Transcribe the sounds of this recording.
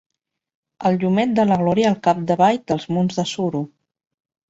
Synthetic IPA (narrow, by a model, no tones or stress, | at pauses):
əlʎumɛt̪̚d̪ələɣlɔɾiəːlˠkap̚d̪əβajd̪əlˠzmunzðəsuɾu